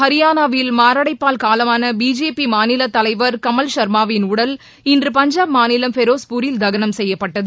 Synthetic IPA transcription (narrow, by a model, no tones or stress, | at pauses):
hɐɾɪjaːnaʋɪlmaːɾɐɽɐɪpːaːlkaːlɐmaːnɐbiːd͡ʒeːpimaːnɪlɐt̪ːɐlɐɪʋɐɾkɐmɐlʃɐɾmaːʋɪnʊɽɐl | ɪndrɯpɐɲd͡ʒaːpmaːnɪlɐmfɛɾoːspʊɾɪld̪ɐɣɐnɐmsɛjːɐpːɐʈːɐðɯ